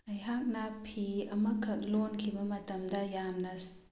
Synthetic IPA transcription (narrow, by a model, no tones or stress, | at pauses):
ɐjɦak̚nɐpʰiɐmɐkʰɐk̚lonkʰibɐmɐtɐmdɐjamnɐs